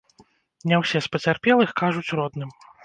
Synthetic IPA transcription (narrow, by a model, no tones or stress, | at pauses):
nʲɛwsʲɛspɐt͡sʲarpʲɛlˠɨxkaʐut͡sʲrɔd̪nɨm